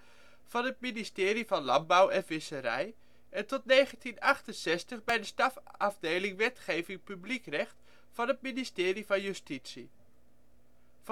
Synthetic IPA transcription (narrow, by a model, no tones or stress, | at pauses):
v̥ɑnɦət̚ministɪːɾivɑnlɑnbʌwɛnvɪsəɾɛ̰j | ʔɛntɔtnejχəntinɑχtənsɛstəχbɛjdəstɑfɑvdejlɪŋʋɛtχejvɪŋpyblikrɛχt | fɑnət̚ministɪːrivɑnjystitsi